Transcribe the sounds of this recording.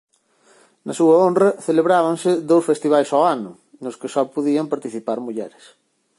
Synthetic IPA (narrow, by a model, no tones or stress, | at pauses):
nɐsuɐonrɐθeleβɾaβɐŋsɪðowsfest̪iβajsɔanʊ | nʊskɪsɔpoðiɐmpaɾt̪iθipaɾmuʎɛɾɪs